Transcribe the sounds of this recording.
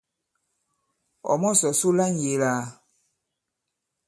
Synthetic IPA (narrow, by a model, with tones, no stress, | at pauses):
ɔ̰˨mɔ̃˦sɔ˨su˦la˦n˨je˨˦laː˨˦